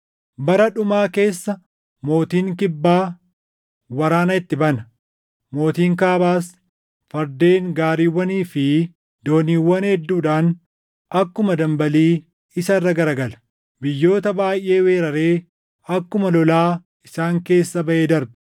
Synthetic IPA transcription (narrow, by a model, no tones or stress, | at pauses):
bɐɾɐᶑʊmaːke̞ːsːɐ | mo̞ːt̪iːŋkɪbːaː | wɐɾaːnɐɪt̪ːɪbɐnɐ | mo̞ːt̪iːŋkaːbaːs | fɐɾd̪eːŋɡaːɾiːwːɐniːfɪ | d̪o̞ːniːwːɐnhɛd̪ːuːᶑaːn | ɐkːʊmɐd̪ɐmbɐliː | ɪsɐrːɐɡɐɾɐɡɐlɐ̥ | bɪjːo̞ːt̪ɐbaːjʔe̞ːwe̞ːɾɐɾe̞ː | ɐkːʊmɐlɔlaː | ɪsaːŋke̞ːsːɐbɐʔeːd̪ɐɾbɪ̥